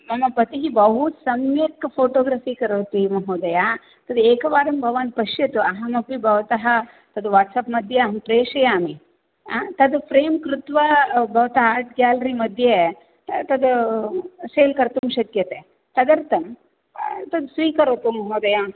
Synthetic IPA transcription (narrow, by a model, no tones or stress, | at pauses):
mɐmɐpɐt̪iɦibɐɦut̪sɐmjekpʰoːʈoːɡɾaːfiːkɐɾoːt̪imɐɦoːd̪ɐja | t̪ɐd̪eːkɐʋaːɾɐmbʱɐʋaːnpɐʃjɐt̪uɐɦɐmɐpibʱɐʋɐt̪ɐɦɐ | t̪ɐd̪ʋaːʈsaːpmɐd̪ʱjɐmpɾeːʂɐjaːmi | t̪ɐd̪upʰɾeːmkɾut̪ʋɐbʱɐʋɐt̪ɐɦaːɾʈ̚ɡʲaːlɐɾimɐd̪ʱje | t̪ɐd̪u | seːlkɐɾt̪umʃɐt̪jɐt̪e | t̪ɐd̪ɐɾt̪ɐm | t̪ɐd̪sʋiːkɐɾoːt̪umɐɦoːd̪ɐja